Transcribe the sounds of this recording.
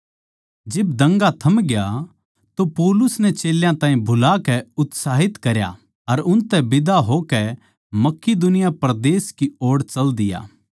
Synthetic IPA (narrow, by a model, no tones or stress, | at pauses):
d͡ʒɪbd̪ɐ̃ŋɡat̪ʰɐmɡja | t̪opɔːlʊsnɛt͡ʃeːljãt̪ãːĩbʱʊlaːkɛʊt̪saːɦɪt̪kɐɾja̰ | ɐɾʊnt̪ɛbɪd̪aɦokɛ | mɐkːid̪ʊnɪjapɾd̪eːskioːɽt͡ʃɐld̪ɪja̰ː